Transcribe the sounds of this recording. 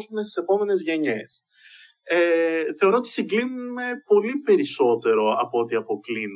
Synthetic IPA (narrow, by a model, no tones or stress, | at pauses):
sunest̪ise̞po̞me̞ne̞zʝe̞ɲe̞s | eθe̞o̞ɾo̞ot̪i̥siŋɡlinume̞po̞lipe̞ɾiso̞t̪e̞ɾo̞ɐpoot̪iɐpo̞klin